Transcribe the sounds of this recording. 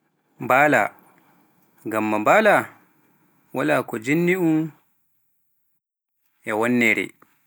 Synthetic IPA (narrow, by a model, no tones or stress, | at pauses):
mbaːla̰ | ɡamːambaːla | walaːkɔd͡ʒinːiʔum | ʔɛwɔnːɛɾɛ̰